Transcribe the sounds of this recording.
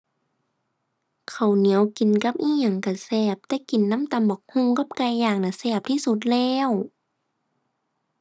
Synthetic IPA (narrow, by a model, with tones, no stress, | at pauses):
kʰa˨˩wni˨˦əwki˨˩nka˧p̚ʔiː˧˥˨ɲa˧˩ŋka˨˧˩sɛː˧˩p̚t̪ɛː˧˥ki˨˩nːa˧˥˨mt̪a˧˨mbɔ˨˩k̚hu˧˥˨ŋka˧˥˦p̚ka˧˩˨jːaː˧˩ŋ̚na˧˩sɛː˧˩p̚t̪ʰiː˧˥˨su˧˦t̪̬̚lɛː˧˥˨w